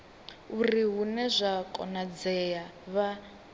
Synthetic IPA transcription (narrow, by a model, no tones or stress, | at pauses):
uriɦunɛzʷakʼɔ̰nad͡zɛjaβa